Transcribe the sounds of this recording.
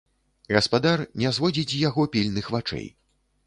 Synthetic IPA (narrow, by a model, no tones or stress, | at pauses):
ɣɐspad̪arnʲɛzvɔd͡zʲit͡sʲjaɣɔpʲilʲnɨxvat͡ʂɛ̰j